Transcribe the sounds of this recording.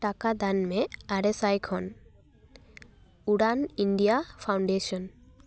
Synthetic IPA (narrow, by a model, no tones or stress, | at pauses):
ʈakad̪anmɛaɾesajkhɔn | uɽaniɳɖijapʰawɳɖeʃɔn